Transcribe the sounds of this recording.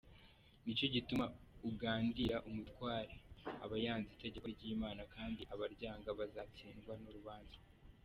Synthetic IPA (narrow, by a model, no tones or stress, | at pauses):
nico̞ɟitumauɡaːndiɾaʔumutkwaːɾea̰βajaːnziteɟekabɟiːmaːnakaːndiʔaβaɾɟaːŋɡaβazaːt͡siːŋɡwanuɾuβaːnzḁ